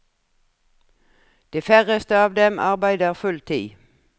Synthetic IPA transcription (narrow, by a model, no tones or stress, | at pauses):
d̪̥eːfæʁəst̪əɑːʋd̪ɛmʔɑ̰ʁbæɪd̪əʁfʉlt̪ʰḭː